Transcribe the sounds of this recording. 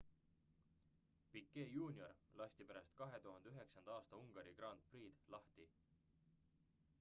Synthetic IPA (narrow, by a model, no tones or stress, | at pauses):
pikːe̞ːjuːnʲio̞rlɑst̪ipeɾɑst̪kɑɦe̞t̪uɦɑnd̪eyɦeksɑnd̪ɑɑːst̪ɑuŋɡ̥ɑɾikrɑːnt̪̚priːd̪̥lɑht̪i